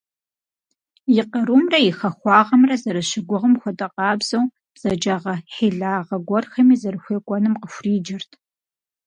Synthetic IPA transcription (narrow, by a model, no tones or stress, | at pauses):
jɪqɐɾuːmrɐjɪxɐxʷɑːʁɐmrɐzɐɾɨɕɪɡʷʊʁɐmxʷɔtʼɐqʼɑːbz̥ɐw | b̥z̥ɐd͡ʒaːʁɐħiːɮaːʁɐɡʷɔrxɐmiːzɐrɨxʷeːkʷʼɔnɨmqəfʷriːd͡ʒɪrtʰ